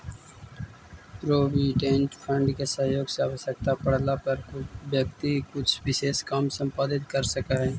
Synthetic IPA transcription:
pɾoːbiːʈẽːnʈpʰə̃ɳɖkesəɦjoːɡseaːʋəsəkt̪apəɽ̤lapəɾkʊbjəkt̪ikʊt͡ʃʰʋɪʃeːskaːmsə̃mpaːd̪ɪt̪kəɾsəkaɦɛː

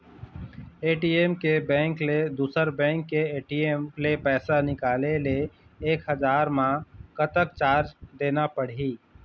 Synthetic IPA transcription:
eːʈiemkebɛ̃ːŋkled̪uːsəɾbɛ̃ːŋkːeeːʈiemlepɛːsanɪkaːleleeːkɦəd͡ʒaːɾmãkət̪ək̚t͡ʃaːɾd͡ʒd̪eːnapəɽ̤ɦi

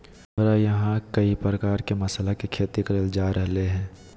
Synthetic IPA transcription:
mɾajɐɦãkɐipɾəkaːɾkemɐslakikʰeːt̪ikɐɾəld͡ʒaːɾɐɦleɦɛ̃ː

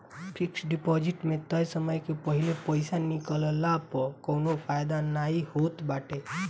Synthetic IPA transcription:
pʰiksɖipɔd͡ʒɪʈmẽt̪əjsəməjkepəɦilepəɪsanikələlapəkonopʰajd̪anaihot̪baːʈe

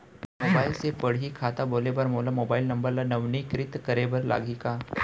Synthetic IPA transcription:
moːbaːilsepəɽ̤ikʰat̪aboːlebəɾmoːlamoːbaːilnɐmbəɾlanəʋnikɾɪt̪kəɾebəɾla̰ɡʱika

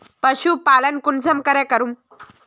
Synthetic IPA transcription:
pəɕuːpalənkunsəmkəɾakəɾuːm

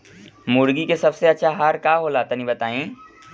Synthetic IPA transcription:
mʊɽɡikesɐbseɐtːʃʰaɦaːɾkaːɦolaːt̪anĩbɐt̪aːĩː

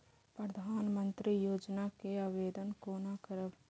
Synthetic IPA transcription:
pɾəd̪ʱaːnmə̃nt̪ɾijoːd͡ʒnakeaːʋeːd̪ənkoːnakəɾəb

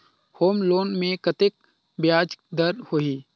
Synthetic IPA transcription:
hoːmloːnmẽkɐt̪ɪk̚ | bjaːd͡ʒd̪əɾhoiː

